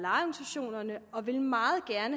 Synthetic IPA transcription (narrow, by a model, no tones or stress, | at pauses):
lɑ̈ɪɒɡ̥nisæɕo̝̰ːnɐnəɒ̽ʋe̝lmɑ̈ːð̩ˠɡ̥æɐnə